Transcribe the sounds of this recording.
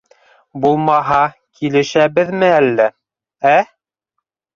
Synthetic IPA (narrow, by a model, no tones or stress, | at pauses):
bulˠmɑɦɑ | kʰilɘ̆ʃæβɘðmɘælːæ | æ